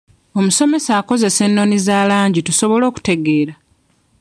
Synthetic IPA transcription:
o̞muso̞me̞saːko̞ze̞se̞nːo̞nizaːlaːɲɟituso̞βo̞lo̞ːku̥te̞ɡe̞ːɾa

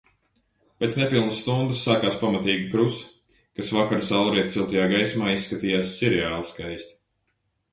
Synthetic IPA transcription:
pʲeːt̪snepilˠnəsːt̪und̪ɨsːaːkaːspamat̪iːɡikɾus | kasvakaɾusalˠɾiɛt̪silˠt̪ajaːɡajsmaːissːkat̪iːjaːsːɛɾɛaːlˠskajsʲt̪

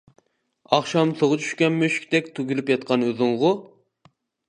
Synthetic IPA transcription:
ɑχʃɑmt̪ʰoʁʊt͡ʃʰy̥ʃkʲɛnmøʃkʲt̪ɛkʲt̪ʰuɡʲylypjɑt̪̚qʰɑnøðɨŋʁʊ

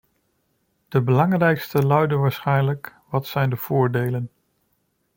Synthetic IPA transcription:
d̥əbəlɑŋrɛjkstəlœɥdəʋaːɹsχɛjnləkʋɑtsɛjndəv̥ʊːɹdejlən

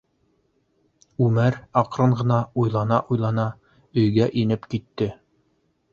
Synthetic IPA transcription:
ʉmæɾɑqɾɤɴʁɤ̆nɑujlˠɑnɑʔujlˠɑnɑ | ɵ̆jɡæʔinɘpkit̪ːɘ

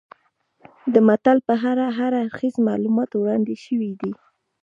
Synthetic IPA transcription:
d̪əmat̪alpəɦaɾaɦaɾaɾxizmɑlumɑt̪wɽɑnd̪eʃəwid̪i

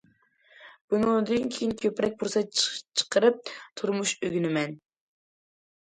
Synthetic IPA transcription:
b̥unɨd̪ɨnkʲʰejinkʲʰøpɾɛk̚ʲbuɾsɛt͡ʃʰə̥qəɾɨp̚t̪ʰuɾmuʃøɡʲynɪmɛn

